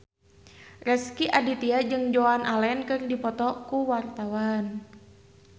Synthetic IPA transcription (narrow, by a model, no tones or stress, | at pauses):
rɛskiʔadit̪iad͡ʒɨŋd͡ʒoanʔalɛnkɨrdipɔt̪ɔkuwart̪awan